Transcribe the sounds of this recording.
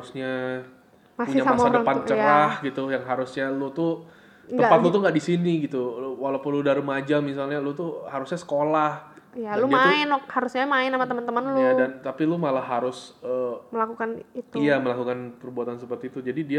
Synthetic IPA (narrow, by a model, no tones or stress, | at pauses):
haɾusɲa | masuɲaasadəpant͡ʃəɾahɡit̪ujaŋɦaɾʊsɲalut̪ʊ | t̪əmpat̪̚lut̪ʊŋɡaʔdisiniɡit̪ulwalawpʊnludaɾumad͡ʒamis̬alɲalut̪uhaɾusɲasə̥kolahjalud͡ʒmaɪnɔk̚haɾusɲamaɪnːamat̪əmənt̪əmənljadant̪apilumalahːaɾʊsəːməlakukanit̪uijaməlakukanpərbuat̪ans̬əpərt̪iːt̪ud͡ʒadidia